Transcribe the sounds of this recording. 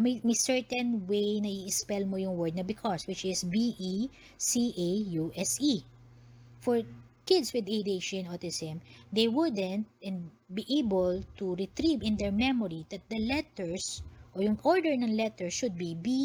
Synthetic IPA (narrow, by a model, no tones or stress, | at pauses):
mmɛsɛɹt̪ɛ̃nwejnɐiɪspɛlmojʊŋwɛɹd̪̚nɐbɪkʰɔswɪt͡ʃɪsbiʔi | siʔejuʔɛsi | fɔɹ | kɪd̪swɪd̪ejd̪eʃɪnɔt̪ɪsɛmd̪ejwʊd̪ɛ̃nt̪̚ɛ̃n | biʔejbɔlt̪uɹɪt̪ɾivɪ̃nd̪ɛɹmɛmɔɹid̪ɐt̪̚d̪ɐlɛt̪ɛɹsʔɔjʊŋʔɔɹd̪ɛɹnɐŋlɛt̪ɛɹsʃʊd̪̚bibi